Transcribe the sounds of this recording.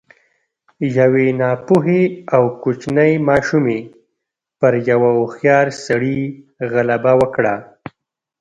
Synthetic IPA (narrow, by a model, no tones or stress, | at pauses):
jawenɑpuɦeawkʊt͡ʃnəjmɑʃume | pəɾjawaʊxjɑɾsaɽi | ɣalabawəkɽa